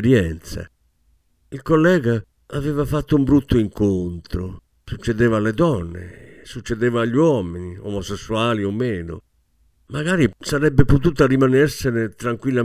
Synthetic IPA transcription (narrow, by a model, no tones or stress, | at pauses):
ɾjɛnt̪sa̰ | ilkolːɛːɣa | avɛːvafat̪ːoumbɾut̪ːoiŋkont̪ɾo | sut͡ʃːɛd̪ɛːvaːlɛd̪ɔnːḛsut͡ʃːɛd̪ɛːvaːʎːiwɔminiɔ̰mɔsesːuaːliɔmːɛːno̰ | maɣaːɾisaɾɛbːɛput̪̬uːt̪aɾimanɛɾsɛnɛt̪ɾaŋkwilːa